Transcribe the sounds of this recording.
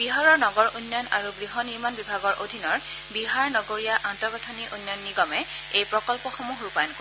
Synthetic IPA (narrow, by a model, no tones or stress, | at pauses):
biɦaɹɔɹnɔɡɔɹʔunːɔnaɹuɡɹiɦɔniɹmanbibʱaɡɔɹʔodʱinɔɹ | biɦaɹnɔɡoɹijaʔantɔɹɡɔtʰɔniʔunːɔnːiɡɔmɛ | ejpɹɔkɔlpɔxomuɦɹupajɔnko